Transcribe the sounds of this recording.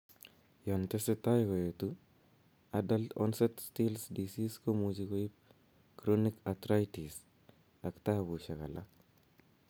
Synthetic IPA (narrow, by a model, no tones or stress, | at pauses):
jɔntesetajkojotu | adaltɔ̰nsetstilsdisiskomud͡ʒikojip̚ | kɾonikatɾajtis | aktabuʃakala